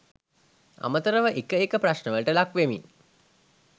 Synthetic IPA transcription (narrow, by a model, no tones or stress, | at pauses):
a̰mət̪əɾəʋəʔekəekəpraʃnəʋələʈəlakʋemin